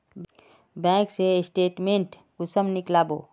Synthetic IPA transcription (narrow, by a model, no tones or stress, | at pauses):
bɛ̃ːkseɪsʈeːʈmẽɳʈ | kʊsəmnɪklaːbo̰ː